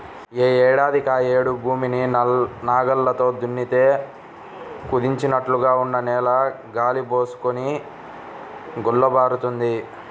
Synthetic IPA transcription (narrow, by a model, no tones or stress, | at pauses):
eːɛːɽaːd̪ʱikaːeːɽubʱuːmininaːɡɐlːɐt̪o̞ːd̪unːit̪e̞ː | kud̪iɲt͡ʃinɐʈluɡaːunːɐnɛːlɐ | ɡaːlibo̞ːsu̥koni | ɡulːɐbaːɾut̪und̪i